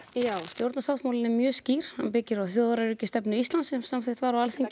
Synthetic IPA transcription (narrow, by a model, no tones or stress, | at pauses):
jaːwst̪jowɾt̪nasawt̪mawlɪnɛmjœːsciːɾ̥hanpɪcɪɾawθjoːðaɾaɾʏcɪst̪ɛpnʏist̪lant̪sɛmsamθeht̪vaɾawalθeɲcɪ